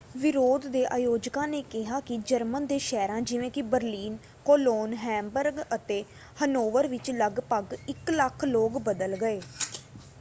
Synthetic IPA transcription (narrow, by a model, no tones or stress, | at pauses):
ʋɪɾoːd̪ːeːʔaːjoːd͡ʒkãːneːkɪɦaːkɪd͡ʒəɾmənd̪eːʃɛːɾãːd͡ʒɪʋẽːkɪbəɾliːn | koːloːnɦɛ̃ːmbəɾɡət̪eː | hənoːʋəɾʋɪt͡ʃləɡpəɡɪkləkʰloːɡbəd̪əlɡəeː